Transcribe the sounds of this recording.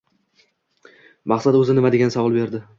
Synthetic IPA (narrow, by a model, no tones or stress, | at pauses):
maχsat̪ɵzɪnɪmad̪e̞ɡʲanɪsavɒlˠbe̞ɾd̪ɪ